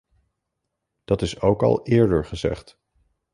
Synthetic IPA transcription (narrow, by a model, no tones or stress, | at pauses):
d̥ɑtɪsowkɑ̰lˠɪːɹdəɹχəzɛ̰χt